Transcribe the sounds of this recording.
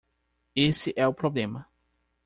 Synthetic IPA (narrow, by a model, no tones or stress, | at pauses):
esɪʔɛʊpɾoblẽmɐ